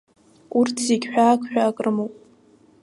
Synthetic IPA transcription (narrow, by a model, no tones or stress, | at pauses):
urtʰiɡʲħᶣaːkʷʼʰħᶣaːkʼrɨmowpʼ